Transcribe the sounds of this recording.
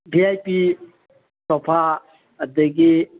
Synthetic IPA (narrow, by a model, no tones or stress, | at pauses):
bʱiajpi | sɔpʰa | əd̪eɡi